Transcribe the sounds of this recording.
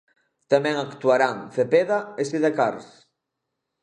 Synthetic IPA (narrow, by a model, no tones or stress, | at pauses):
t̪amɛ̃ŋakt̪uaɾaŋfepeðaesiðekaɾs